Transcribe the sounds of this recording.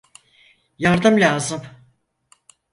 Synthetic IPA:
jaɾd̪ɯmlʲaːzɯm

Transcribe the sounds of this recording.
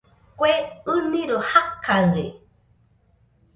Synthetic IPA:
kʷeɨnĩɾohakʰaɾe

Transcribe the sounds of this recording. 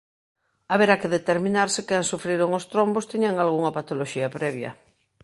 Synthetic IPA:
aβeɾakeðet̪eɾmĩnaɾsekɛŋsufɾiɾoŋost̪ɾombost̪iɲaŋalɣ̞uŋapat̪oloʃiapɾɛβ̞jɐ̰

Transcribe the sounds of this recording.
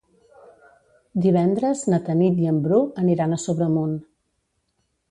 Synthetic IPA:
d̪iβ̞ɛnd̪ɾəznət̪ənit̪iəmbɾuəniɾanəsoβɾəmun

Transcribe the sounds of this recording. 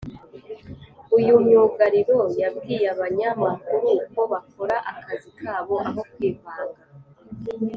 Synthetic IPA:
ujumɲuːɡaɾiɾo̞jabɡiːjaβaɲamakuɾuko̞βakʰoɾaʔakazikʰaːβo̞ʔaɦo̞kwiːvaːŋɡa

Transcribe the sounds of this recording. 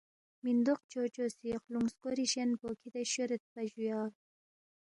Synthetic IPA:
mind̪oqt͡ʃot͡ʃosiqluŋskoɾiʃenpokʰid̪aʃuɾət̪̚paʒujɑːɾ

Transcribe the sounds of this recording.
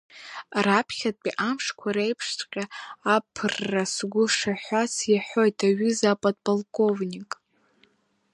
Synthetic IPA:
rapʰχʲatʼpʼiʔamʂkʷʰaɾejpʰʂtʰʼqʲʼaapʰɨrːasɡʷʊʂaħʷasjaħʷo̞jtʰaɥʏzapʼadpʼolkʼo̞vnʲikʼ

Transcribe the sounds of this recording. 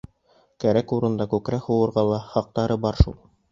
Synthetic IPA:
kæɾækuɾɤ̆nd̪ɑkʉkɾæhuwɤ̆ɾʁɑlˠɑχɑq̚t̪ɑɾɤbɑɾʃṵlˠ

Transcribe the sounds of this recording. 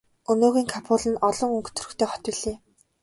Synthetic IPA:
ɵnoːɣiːŋkʰapʰʊːɮɘ̆nɔɮɞ̆ŋɵŋkʰt̪ʰɵ̥̆rɵ̆kt̪ʰeːχɔ̥t̪ɪ̆ɮeː

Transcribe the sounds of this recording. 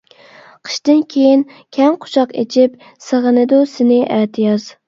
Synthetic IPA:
qʰə̥ʃt̪ɪnkʲʰejinkʲʰɛŋqʰʊ̥ʃʰɑqḛt͡ʃʰip̚ | səʁənɨd̪usɪnɪʔæːt̪ʰɪjɑz

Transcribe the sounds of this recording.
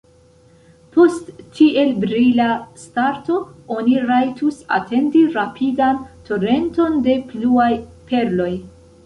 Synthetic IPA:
po̞stːiʔe̞lbɾilastaɾto̞o̞niɾajtusa̰tʰe̞ndiɾapʰidanto̞ɾe̞nto̞nde̞pluajpe̞ɾlo̞j

